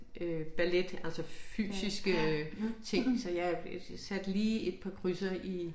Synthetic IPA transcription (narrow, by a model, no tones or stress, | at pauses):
ʔøb̥æled̥ælsɒfy̰ːsisɡ̥ət͡sʰe̝ŋ̰sɒ̽jɑsæd̥liːe̝d̥̚pʰɑ̈kʰʁysɐʔi